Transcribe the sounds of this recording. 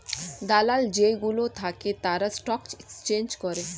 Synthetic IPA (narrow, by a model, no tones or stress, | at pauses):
d̪alald͡ʑeɡulot̪ʰaket̪aɾasʈɔkekst͡ʃend͡ʑkɔɾe